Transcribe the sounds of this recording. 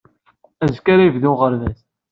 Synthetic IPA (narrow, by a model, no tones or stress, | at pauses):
æzkaɾajəvðuʁəɾvæs